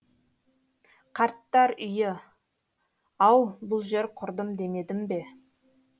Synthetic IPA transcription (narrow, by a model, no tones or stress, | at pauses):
qʰɑɾt̪ːɑɾʏjɪ | ɑwbʊlˠʒe̞ɾqʰʊɾd̪əmd̪e̞me̞d̪ɪmbe̞